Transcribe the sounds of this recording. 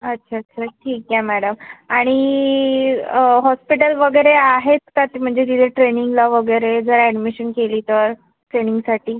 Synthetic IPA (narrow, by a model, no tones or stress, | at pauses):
ətːɕʰaətːɕʰaʈʰiːkjɛmæɽəmaɽ̃i | ɦɔspiʈəlʋəɡəjɾeaɦet̪ːat̪im̤əɳd͡zet̪it̪ʰeʈɾeniŋɡlaʋəɡəjɾed͡zəɾæɽmiɕənkeliːt̪əɾ | ʈɾeniŋɡsaʈʰiː